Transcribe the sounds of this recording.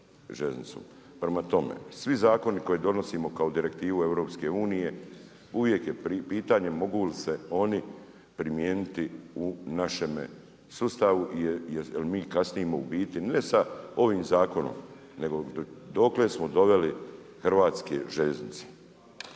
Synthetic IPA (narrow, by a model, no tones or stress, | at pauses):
ʒeznḭt̪so̰m | pɾemat̪o̞mḛsʋizaːko̞niko̞jed̪o̞no̞siːmo̞kaod̪iɾe̞kt̪iːʋue̞ʋɾo̞ːpske̞uːnije̞ | uʋje̞kje̞ipiːt̪aːɲe̞mo̞ɡulise̞o̞ni | pɾimjeːnit̪iunaʃe̞mḛ | sust̪aʋuʔlimiːkasnijemoṵbiːt̪inesao̞ʋiːmzaːko̞no̰m | ne̞ɡo̞d̪o̞klesmod̪o̞ʋe̞li | xrʋaːt̪skḛʒeʎeznit̪se̥